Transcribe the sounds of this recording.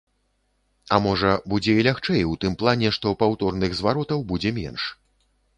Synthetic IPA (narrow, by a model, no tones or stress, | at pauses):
ɐmɔʐɐbud͡zʲɛilʲaxt͡ʂɛjwt̪ɨmplˠanʲɛʂt̪ɔpawt̪ɔrnɨɣzvaɾɔt̪ɐwbud͡zʲɛmʲɛ̰nʂ